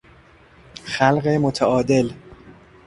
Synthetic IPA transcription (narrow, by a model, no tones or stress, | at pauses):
xælɢemot̪ʰæɒːd̪e̞l